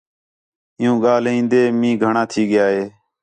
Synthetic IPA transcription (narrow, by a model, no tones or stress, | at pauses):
ɪjũːɠaːlĩːnd̪eːmĩːɡʱəɳãːt̪ʰiːɠɪjaːɦeː